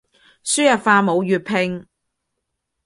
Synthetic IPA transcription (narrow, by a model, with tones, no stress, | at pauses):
syː˥jɐ˨˩tfaː˧mo˨˧wjyː˨t̚pʰɪ˧ŋ